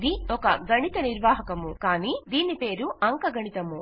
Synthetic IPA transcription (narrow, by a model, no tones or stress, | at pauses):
d̪iɔkɐɡɐɳit̪ɐniɾʋaːɦɐkɐmukaːniːd̪iːnipeːɾuʔɐŋkɐɡɐɳit̪ɐmu